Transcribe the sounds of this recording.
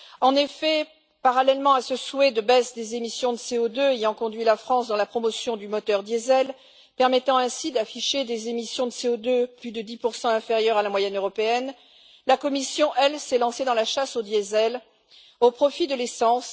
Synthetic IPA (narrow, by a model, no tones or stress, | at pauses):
ɑ̃nefɛ | paʁalɛlmɑ̃asəswɛd̪əbɛsd̪ezemisjɔ̃d̪əseod̪øejɑ̃kɔ̃d̪ɥilafχɑ̃sd̪ɑ̃lapχɔmɔsjɔ̃d̪ymɔt̪œʁd̪jezɛl | pɛʁmɛt̪ɑ̃ɛ̃sid̪afiʃed̪ezemisjɔ̃d̪əseod̪øplyd̪əd̪ipuʁsɑ̃ɛ̃feʁjœʁalamwajɛnøʁɔpeɛn | lakɔmisjɔ̃ʔɛlsɛlɑ̃sed̪ɑ̃laʃasod̪jezɛl | opχɔfid̪əlesɑ̃s